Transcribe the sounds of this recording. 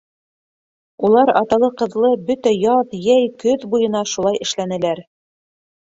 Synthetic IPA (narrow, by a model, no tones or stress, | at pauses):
ulˠɑɾɑt̪ɑlˠɤqɤ̆ðlˠɤbɵt̪æjɑðjæjkɵðbujɤ̆nɑʃulˠɑjɘ̆ʃlænɘ̆læɾ